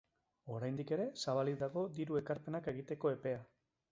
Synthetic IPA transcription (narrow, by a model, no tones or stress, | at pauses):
o̞ɾajnd̪ike̞ɾe̞saβ̞aliðaɣo̞d̪iɾue̞kaɾpe̞nake̞ɣ̞it̪e̞ko̞e̞pe̞a